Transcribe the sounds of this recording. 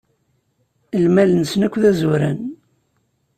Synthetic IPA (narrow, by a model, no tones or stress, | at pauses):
əlmælənsnækʷːðæzuɾə̰n